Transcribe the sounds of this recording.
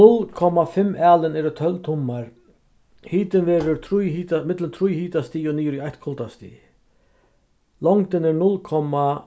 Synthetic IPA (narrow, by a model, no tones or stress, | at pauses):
nʊlkʰɔmafɪmːaːlɪnɛːɾət̪ʰœlt̪ʰʊmːaɾ | hiːt̪ɪnvɛːɾʏɾt̪ʰɾujɦiːt̪amɪt̪lənt̪ʰɾujhiːt̪ast̪iːɔniːʊɾiaht̪kʰʊlt̪ast̪ḭː | lɔŋt̪ɪnɛɾnʊlkʰɔmːa